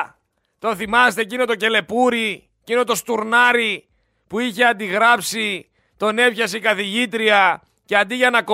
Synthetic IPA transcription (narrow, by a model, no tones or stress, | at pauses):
t̪o̞θimɐst̪ecino̞t̪oce̞le̞puɾi | cino̞t̪o̞st̪uɾnɐɾi | puiçe̞ɐnd̪iɣɾɐpsi | t̪o̞ne̞pçɐsikɐθiʝit̪ɾiɐ | ce̞ɐnd̪iʝɐnɐko